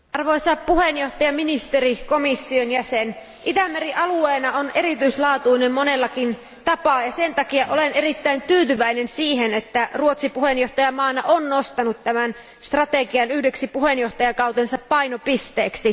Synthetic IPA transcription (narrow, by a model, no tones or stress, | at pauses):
ʔɑrʋojsɑpːuhenjo̞ht̪ɑjɑminist̪eriko̞misːionjæsen | ʔit̪æmːeriʔɑlueːnɑone̞ɾit̪yislɑːt̪uinemmonelːɑkin | t̪ɑpɑjɑsent̪ɑkiɑʔolene̞ɾit̪ːæint̪yːt̪yʋæinensiːɦenet̪ːæruot̪sipuhenjo̞ht̪ɑjɑmɑːnɑʔonːost̪ɑnut̪tæmæn | st̪rɑt̪eɡiɑnyhdeksipuhenjo̞ht̪ɑjɑkɑwt̪ensɑppɑjnopist̪eːksi